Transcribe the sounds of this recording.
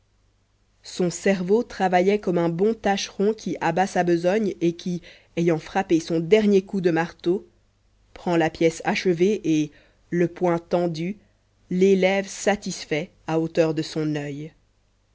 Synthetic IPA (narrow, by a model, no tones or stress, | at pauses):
sɔ̃sɛʁvot̪χavajɛkɔmɛ̃bɔ̃t̪aʃʁɔ̃kʲʰiʔabasabəzɔɲekʲʰi | ejɑ̃fχapesɔ̃d̪ɛʁnjekud̪əmaʁt̪o | pχɑ̃lapjɛsaʃəveʔe | ləpwɛ̃t̪ɑ̃d̪y | lelɛvsat̪isfɛ | aot̪œʁd̪əsɔ̃nœj